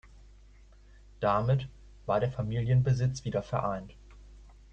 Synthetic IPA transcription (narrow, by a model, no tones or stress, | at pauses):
d̥amɪt | v̥aːɐɾeːɐfamiːljənbəzɪt͡sv̥iːdɐfɛɐʔaɪnt